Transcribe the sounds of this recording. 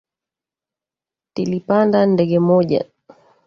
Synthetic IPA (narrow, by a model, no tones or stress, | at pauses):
tilipandandɛɡɛmɔʄa̰